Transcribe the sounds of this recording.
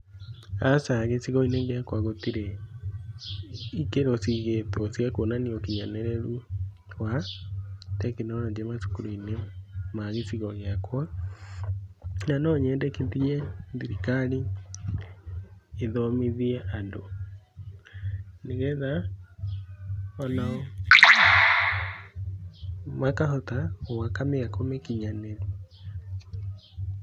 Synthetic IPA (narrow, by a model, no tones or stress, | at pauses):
asaɣesiɣɔineŋɡeakwaɣotiɾe | ikeɾosiɣetwɔsiakonaniokiɲanɛɾɛɾu | wa | tɛkenɔɾɔd͡ʒɛmasu̥kuɾoinemaɣesiɣɔɣeakwa | nanɔɲɛːndɛkeðiɛðiɾikaɾi | eðɔmiðiɛʔando | neɣɛða | ɔnaɔ | makaɦɔtaowakameakomekiɲane